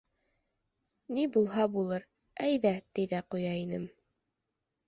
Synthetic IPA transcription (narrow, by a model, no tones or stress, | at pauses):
nibulˠɦɑbulˠɤɾ | æjðæt̪ɘðæqujɑinɘm